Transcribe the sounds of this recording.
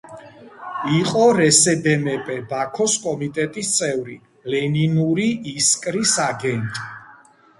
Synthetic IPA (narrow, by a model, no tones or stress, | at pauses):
iqʼɔɾɛsɛd̪ɛmɛpʼɛbakʰɔskʼɔmit̪ʼɛt̪ʼist̪sʼɛvɾi | lɛninuɾiiskʼɾisaɡɛnt̪ʼi̥